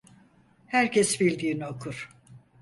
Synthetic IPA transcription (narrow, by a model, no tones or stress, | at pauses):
hæɾcʰɛsbilʲd̪iːnokʰuɾ̥